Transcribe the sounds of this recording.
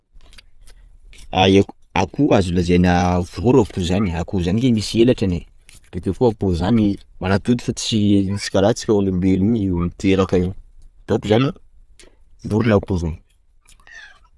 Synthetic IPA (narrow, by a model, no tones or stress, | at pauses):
ae | a̰kuazilazenavuɾavu̥t̪uzaniakuzanikemiselaʈ͡ʂane | b̥et̪ekuapozanimaɾat̪ud̪ifat͡si̥sinisi̥kʲaɾat͡si̥kʲaanuleliniwmit̪eɾakait̪at̪izani | nd̪uɾinapuzon